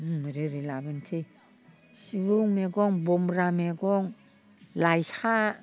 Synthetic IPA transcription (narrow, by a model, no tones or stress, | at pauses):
mɾeɾilaβantʰi | siβuŋmeɡoŋbomɾameɡoŋ | lajsha